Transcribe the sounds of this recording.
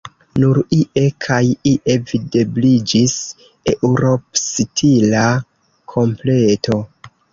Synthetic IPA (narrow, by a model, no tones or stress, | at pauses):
nuɾiʔe̞kʰajiʔe̞vide̞blid͡ʒis | eʔuɾo̞psitʰila | kʰo̞mple̞tʰo̞